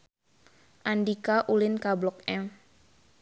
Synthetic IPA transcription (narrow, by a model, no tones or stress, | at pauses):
ʔandikaʔulɪnkablɔk̚ɛm